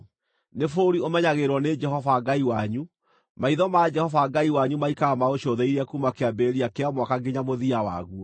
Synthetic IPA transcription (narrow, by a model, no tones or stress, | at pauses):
nefoɾiomɛɲaɣeɾwɔned͡ʒɛhɔvaɡaiwaɲu | maiðɔmad͡ʒɛhɔvaɡaiwaɲumaikaamaoɕoðɛiɾɛkumakeabɛɾiakeamwakaɡeɲamoðiawa̰ɣuɔ